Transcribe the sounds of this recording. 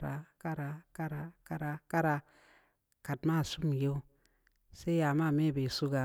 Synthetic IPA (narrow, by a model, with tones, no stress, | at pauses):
ɾa˨ka˦ɾa˨ka˦ɾa˨ka˦ɾa˨ka˦ɾa˧ | ka˨dma˦˨su˦m˨je˦w | se˦ja˨ma˦˨me˦˨be˨su˦ɡa˨